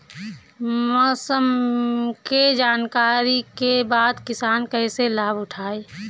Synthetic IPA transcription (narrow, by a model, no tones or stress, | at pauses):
mɔsəmked͡ʒaːnkaːɾikebaːd̪kɪsaːnkəɪselaːbʊʈʰaːeː